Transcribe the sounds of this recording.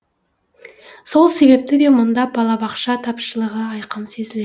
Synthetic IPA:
so̞lˠse̞βe̞p̚t̪ɪd̪e̞mʊnd̪ɑbɑlˠɑbɑqʃɑt̪ʰɑpʃəlˠəʁəɑjqəmse̞zɪl

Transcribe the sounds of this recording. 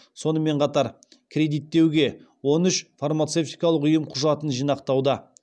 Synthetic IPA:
so̞nəme̞ɴqʰɑt̪ɑɾ | kʲʰɾʲe̞d̪ijt̪ːe̞wɡʲe̞ | wo̞nʏʃfarmat̪se̞ft̪ijkɑlˠəqʏjəmqʰʊʒɑt̪ənʒijnɑqt̪ɑwd̪ə

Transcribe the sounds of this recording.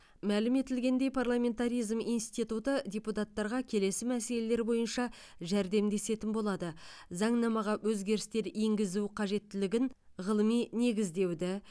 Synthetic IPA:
mælɪme̞t̪ɪlɡʲe̞nd̪e̞jpʰarlˠamʲe̞nt̪aɾijzmijnst̪it̪ut̪əd̪ʲeput̪at̪ːɑɾʁɑkʲʰe̞le̞sɪmæse̞le̞le̞ɾbo̞jənʃɑ | ʒæɾd̪e̞md̪e̞se̞t̪ɪnbo̞lˠɑd̪əzɑɴnɑmɑʁɑwʔɵzɡʲe̞ɾɪst̪e̞ɾeŋɡʲɪzuqʰɑʒe̞t̪ːɪlɪɡʲɪn | ʁəlˠəmijne̞ɡʲɪzd̪e̞wd̪ɪ

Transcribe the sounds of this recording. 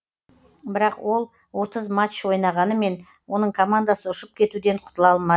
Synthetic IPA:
bɪɾɑqwo̞lˠ | wo̞t̪əzmat͡ʃːwo̞jnɑʁɑnəme̞n | wo̞nəɴkʰomand̪asəʊʃəp̚kʲʰe̞t̪ud̪e̞ɴqʰʊ̥t̪əlˠɑlˠmɑ

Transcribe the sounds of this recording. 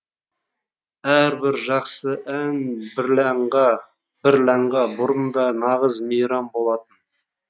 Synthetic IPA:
æɾbɪɾʒɑqsəʔænbɪɾlæɴʁɑ | b̥ɪɾlæɴʁɑbʊɾənd̪ɑnɑʁəzmejɾɑmbo̞lˠɑt̪ən

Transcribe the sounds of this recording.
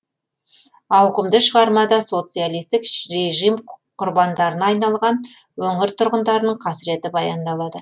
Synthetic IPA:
ɑwqəmd̪əʃəʁɑɾmɑd̪ɑso̞t̪sɨjalˠijst̪ɪkɾe̞ʒijmqʰʊɾbɑnd̪ɑɾənɑɑjnɑlˠʁɑn | wɵŋɪɾt̪ʰʊɾʁənd̪ɑɾənəɴqʰɑsɪɾe̞t̪ɪbɑjɑnd̪ɑlˠɑd̪ə

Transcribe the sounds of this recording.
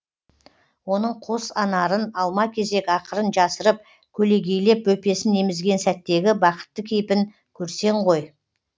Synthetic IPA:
wo̞nəɴqʰosɑnɑɾənɑlˠmɑkʲʰe̞ze̞kʲɑqəɾənʒɑsəɾəp̚ | kʲʰɵle̞ɡʲe̞jle̞pwɵpe̞sɪnemɪzɡʲe̞nsæt̪ːe̞ɡʲɪbɑqə̥t̪ːəkʲʰejpɪŋ | kʲʰɵɾse̞ɴʁo̞j

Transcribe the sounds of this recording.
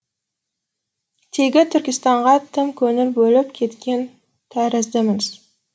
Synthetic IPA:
t̪ʰe̞ɡʲɪt̪ʰʏɾkʲɪst̪ɑɴʁɑt̪ʰɪmkʲʰɵnɪɾbɵlɪpkʲʰe̞t̪kʲe̞n | t̪ʰæɾɪzd̪ɪmɪz

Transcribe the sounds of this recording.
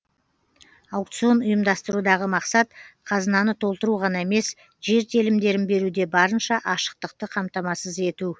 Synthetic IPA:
ɑwk̚t̪sio̞nʊjəmd̪ɑst̪əɾud̪ɑʁəmɑqsɑt̪̚qʰɑzənɑnət̪ʰo̞lˠt̪əɾuʁɑnɑeme̞s | ʒe̞ɾt̪ʰelɪmd̪e̞ɾɪnbe̞ɾud̪e̞bɑɾənʃɑʔɑʃə̥q̚t̪əq̚t̪əqʰɑmt̪ɑmɑsəze̞t̪u

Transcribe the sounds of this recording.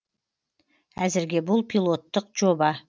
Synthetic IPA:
æzɪɾɡʲe̞bʊlˠpʰilˠo̞t̪ːəqʒo̞bɑ

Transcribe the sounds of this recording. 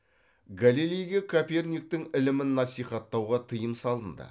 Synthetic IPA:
ɡalilʲijɡʲe̞kʰopʲernʲik̚t̪ɪŋɪlɪmɪnːɑsijχɑt̪ːɑwʁɑt̪ʰəjəmsɑlˠənd̪ə̰

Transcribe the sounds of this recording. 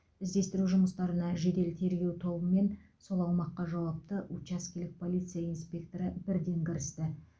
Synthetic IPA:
ɪzd̪e̞st̪ɪɾuʒʊməst̪ɑɾənɑʒe̞d̪e̞lt̪ʰe̞ɾɡʲe̞wt̪ʰo̞bəme̞nso̞lˠɑwmɑqːɑʒɑwɑp̚t̪əʔut͡ʃɑskʲilɪk̚pʰo̞lˠijt̪sɨjaijnspʲe̞k̚t̪o̞ɾəbɪɾd̪e̞ŋkʲɪɾɪst̪ɪ

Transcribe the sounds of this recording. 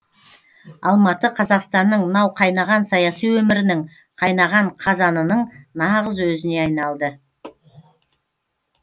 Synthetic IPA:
ɑlˠmɑt̪əqʰɑzɑqst̪ɑnːəɴnɑwqʰɑjnɑʁɑnsɑjɑsijwɵmɪɾɪnɪɴ | qʰɑjnɑʁɑɴqʰɑzɑnənəɴnɑʁəzwɵzɪne̞ɑjnɑlˠd̪ə

